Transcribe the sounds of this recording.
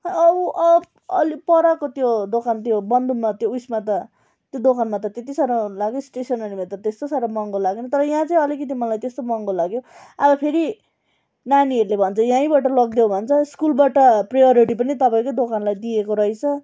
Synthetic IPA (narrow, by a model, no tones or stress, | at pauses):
ʌbuʔʌ | ʌ̰lipʌɾakot̪jod̪okant̪jobʌnd̪ʱumat̪joujsmat̪ʌ | t̪jod̪okanmat̪ʌt̪et̪̬isaɾalaɡjosʈesʌnʌnimet̪ʌt̪est̪osaɾamʌŋɡolaɡenʌt̪ʌɾʌjãt͡sʌĩʌlikʌt̪̬imʌlajt̪est̪omʌŋɡolaɡjo | abʌpʰeɾi | naniʌɾulebʱʌnt͡sʰʌjãĩbaʈʌlʌɡd̪jewbʱʌnt͡sʰʌskulbaʈʌprajʌɾiʈipʌnit̪ʌpaĩkod̪okanlajd̪iekoɾʌit͡sʰʌ